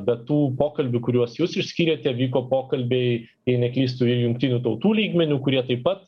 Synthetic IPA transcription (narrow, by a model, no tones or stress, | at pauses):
bʲɛt̪ːuːpoːkɐlʲbʲʊkʊɾʲuɔsjuːsɪʃʲsʲkʲiːɾʲeːt̪ʲɛʋʲiːkoːpoːkɐlʲbʲɛɪt̪ʲiɛɪnʲɛkʲlʲiːs̬t̪uɪjʊŋkt̪ʲinʲuːt̪ɐʊt̪uːlʲiːɡmʲɛnʲuːkʊɾʲiɛt̪ɐɪpɐt̪